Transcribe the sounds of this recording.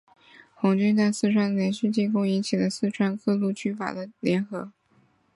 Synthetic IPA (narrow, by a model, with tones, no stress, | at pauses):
xʊ˧˥ŋt͡ɕy˥nt͡sa˥˧ɪsɹ̩˥˧ʈ͡ʂʰwa˥˩nljɛ˧˥nɕy˥˧t͡ɕi˥˩nkʊ˥ŋi˧˥t͡ɕʰi˨˩lə˦sɹ̩˥˧ʈ͡ʂʰwa˥nkʰɤ˥˧lu˥˩t͡ɕʰy˥˩fa̰˨˩d̪ə˦ljɛ˧˥nxɤ˧˥